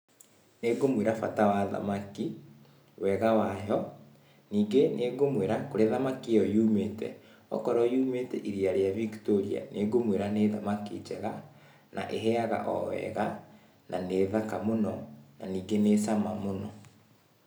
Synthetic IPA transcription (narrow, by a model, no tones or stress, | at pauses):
neɡomweɾafa̰tawaða̰maki | wɛɣawajɔ | niːɡenʔeɡomweɾakoɾeðamakiɔjumeːtɛ̰ | ɔ̰kɔɾɔjumetɛʔiɾiaɾeaviktoɾia̰neɡomweɾaneða̰makḭd͡ʒɛɣa | na̰ʔeɦɛaɣa̰ʔɔwɛ̰ɣa | nʔaneðakamonɔna̰niːɡenesamamonɔ